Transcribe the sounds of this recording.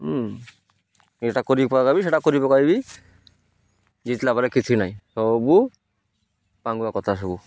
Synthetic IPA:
d͡ʒɛʈakoɾipɔkabiʃeʈakoɾipɔkaibi | d͡ʒit̪lapaɾɛkit͡ʃʰinajsɔbu | paŋɡuakɔt̪ʰasɔbu

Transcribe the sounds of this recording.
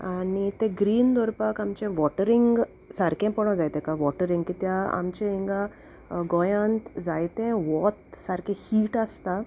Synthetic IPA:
anit̪ɛ̃ɡɾiːnd̪ɔɾpakamt͡ɕɛ̃ʋɔʈəɾiŋɡ | saɾkʰɛ̃pɔɽ̃ɔ̃d͡zajt̪ɛ̃kaʋɔʈəɾiŋɡkit̪jaa̰mt͡ɕɛ̃ĩŋɡa | ɡɔjãnt̪d͡zajt̪ɛ̃ʋɔt̪saɾkʰɛ̃hiːʈast̪a

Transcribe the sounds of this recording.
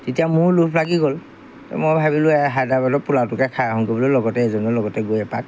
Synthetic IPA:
tetijamʊɹlupʰlaɡiɡol | tɛ̰mɔjbʱabilʊɛɦajdabadɔpulatukɛkʰajaɦɔŋkɔbɔlʊlɔɡɔtɛːzɔnɔlɔɡɔtɛɡojɛpa̰k̚

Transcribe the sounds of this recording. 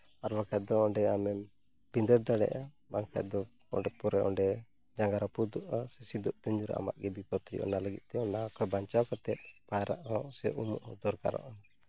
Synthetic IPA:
aɾbakʰat̪̚d̪ɔɔɖɛamɛm | bind̪əɾd̪aɽɛ̰ʔa | baŋkʰa̰t̪̚d̪ɔ | ɔ̰ɖɛpɔɾɛʔɔ̰ɳɖɛ | d͡ʒaŋɡaɾapud̪ɔʔasɛsid̪ɔʔ̚t̪ɛɲd͡ʒuɾa̰ʔa̰ma̰ʔɡɛbipɔt̪ɾḭʔɔ̰naləɡit̪̚t̪ɛɔnakɔjbaɲt͡ʃawkat̪ɛt̪̚pajaɾa̰ʔɔsɛʔumṵʔhɔd̪ɔɾka̰ɾɔ̰ʔɔn

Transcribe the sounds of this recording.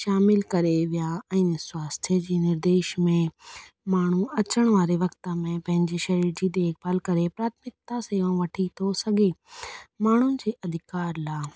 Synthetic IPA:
ʃaːmɪlkɐɾeʋijaɛ̃ːnswaːst̪ʰjed͡ʑiːnɪɾd̪eːʃmẽ | maːɳ̤uɐt͡ɕəɽ̃ʋaːɾeʋɐkt̪amẽpɐ̃ɦɪ̃ɲd͡ʑeʃɐɾiːɾd͡ʑid̪eːk̚bɐlkɐɾepɾaːt̪ʰmɪk̚t̪aseːʋãʋɐʈʰit̪ʰosɐɡʱemaːɳ̤ʊɪ̆d͡ʑeːʔɐd̪ʱɪkaːɾlaː

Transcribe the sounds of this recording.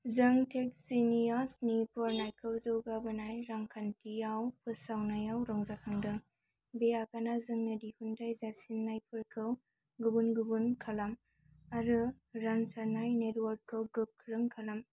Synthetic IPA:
zɯŋtʰek̚sinijasnipʰɔɾnajkʰɯwzɯwɡabɯnajɾaŋkʰantijawpʰɯsawnajawɾɔŋzakʰaŋdɯ | beakanazɯŋnɐdihundajzasinːajpʰɯɾkʰɯw | ɡɯbunɡubunkʰalam | aɾɯ | ɾansaɾnajnetwaɾ̚kʰɯwɡɯk̚kʰːɾɯŋkʰalam

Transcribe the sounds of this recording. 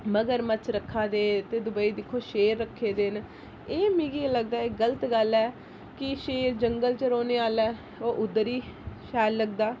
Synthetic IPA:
məɡəɾmət͡ʃʰɾəkʰːaːd̪eːt̪eːd̪ʊbəiːd̪ɪkʰːoːʃeːɾːəkʰːeːd̪eːn | eːmĩːɡiləɡ̚d̪aːɪkɡələt̪ɡəlːɛː | kɪʃeːɾd͡ʒəŋɡəlt͡ʃəɾoːneːaːlɛː | oːʔʊd̪ːəɾiːʃaːjlːəɡd̪aː

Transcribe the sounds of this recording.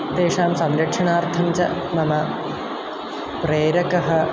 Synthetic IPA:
t̪eːʂaːmsɐmɾɐkʂɐɳaːrt̪ʰɐɲt͡ɕɐ̰mɐmɐ | pɾeːɾɐkɐɦɐ̆

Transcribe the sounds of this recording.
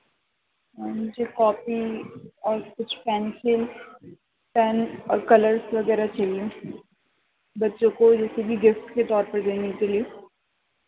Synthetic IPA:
mʊd͡ʒʱekɔːpiɔːɾkʊt͡ʃʰpɛːnsɪl | pɛːnɔ̰ːɾkɐləɾsʋɐɡɛːɾat͡ʃɐliũ | bɐtːʃõkod͡ʒɛːsebʱiɡɪfʈket̪ɔːɾpɐɾd̪eːnekelie

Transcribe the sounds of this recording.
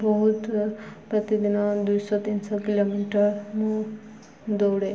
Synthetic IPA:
bʌɦut̪prʌt̪id̪inʌd̪ujsʌt̪insʌkilomiʈʌrmʌ̃ | d̪oɽe

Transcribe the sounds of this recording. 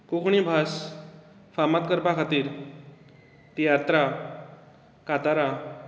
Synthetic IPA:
kukʰɳibʱas | famat̪kəɾpakʰat̪iːɾ | t̪ijat̪ɾa | kat̪aɾa

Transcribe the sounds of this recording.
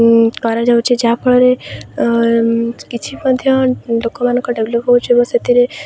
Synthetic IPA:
kaɾad͡ʒaut͡ʃʰed͡ʒapəɭɾe | kit͡ʃʰiməd̪ʱjəlokomanə̃kɔɖeʋləpɦout͡ʃʰebəset̪iɾe

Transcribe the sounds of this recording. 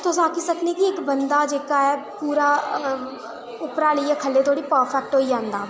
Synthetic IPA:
t̪ʊs̬aːkisəkneːkiɪkbənd̪aːd͡ʒeːkaːɛːpuːɾaː | ʊpɾaːləiːaːkʰəlːeːt̪oːɽiːpəːɾpʰɛːk̚ʈɦoːid͡ʒãːnd̪aː

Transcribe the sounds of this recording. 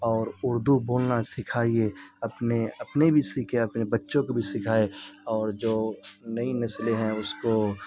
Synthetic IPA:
ɔːɾʊɾd̪uboːlnasɪkʰaːieɐpneɐpnebʱisikʰeɐpnebɐtːʃõkobʱisɪkʰaːeɔːɾd͡ʒoːnɐinɐsleɦɛ̃ʊsko

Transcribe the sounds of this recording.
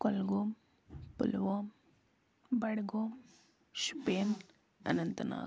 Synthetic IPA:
kɔlɡoːm | pṵlʋoːm | bɐɽɡoːm | ʃu̥peːn | ɐ̰nɐnt̪ɐna̰ː

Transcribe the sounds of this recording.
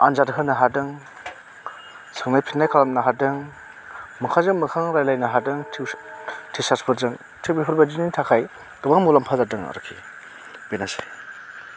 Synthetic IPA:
anzatɦɯnaɦadɯŋ | sʰɯŋnajpʰinːajkʰalamnaɦadɯŋ | mɯkʰazɯŋmɯkʰaŋɾajlajnaɦadɯŋtʰtʰisaspʰɯɾzɯŋ | tʰiwbiɦuɾbad͡ʒinintʰakʰaj | ɡɯbaŋmulampʰazaɾdɯŋa̰ɾɯ̰kʰːi | b̥enase̥

